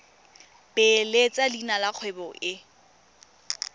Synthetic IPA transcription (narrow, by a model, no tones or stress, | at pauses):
belet͡sʼadinalak͡xʰwɛbɔʔɪ